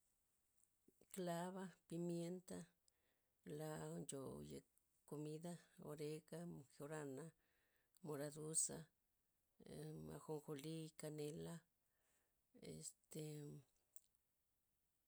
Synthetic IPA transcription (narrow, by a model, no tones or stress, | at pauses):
klaβapimjent̪a | land͡ʒojḛ | komiðaoɾeɣaxeoɾana | moɾad̪usa̰ | a̰xoŋxolikanela | ḛst̪e